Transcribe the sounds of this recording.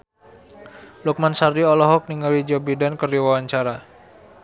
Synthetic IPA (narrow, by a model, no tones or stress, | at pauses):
luk̚mansardiɔlɔɦɔk̚niŋalid͡ʒɔbidankəriwawaɲt͡ʃaɾa